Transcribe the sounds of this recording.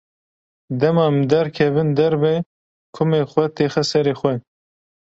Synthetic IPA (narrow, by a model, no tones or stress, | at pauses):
d̪ɛmɑmd̪ɛɾkʰɛvɨnd̪ɛɾbɛ | kʰʊmexʷɛt̪eːxɛsɛɾeːxʷɛ